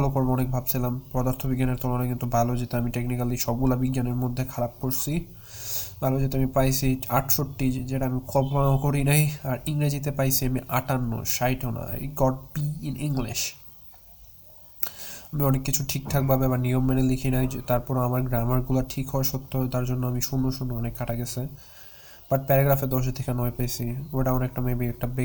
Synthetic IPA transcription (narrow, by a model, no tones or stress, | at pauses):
balokoɾboɔnek̚bʱabt͡ɕʰilampɾɔd̪aɾt̪ʰobiɡːaneɾt̪ʰolanajkint̪ubʱalod͡ʑet̪eamiʈeknikaliʃɔb̚ɡulabiɡːaneɾmod̪ʱːekʰaɾab̚koɾsʰi | bʱalod͡ʑet̪eamipajsʰiaʈʰʃoʈːid͡ʑeʈaamikʰɔonaokoɾinajaɾiŋɾed͡ʑit̪̬epajsʰiamiʔaʈanːo̰ʃajʈona̰ḛɡɔɖ̚biiniŋliʃ | amiɔnekːit͡ɕʰuʈʰik̚t̪ʰak̚boabeβaɾniomːɛnelikʰinajt̪aɾpɔɾamaɾɡɾamaɾɡulaʈʰikɦɔeʃot̪ːot̪aɾd͡ʑonːoamiʃunːoʃunːoɔnekʰːaʈʰaɡɛt͡ɕʰe | b̥aʈ̚pɛɾaɡɾafed̪ɔʃ̬et̪ʰekenɔepejt͡ɕʰioʈaɔnek̚ʈamebiɛk̚ʈabe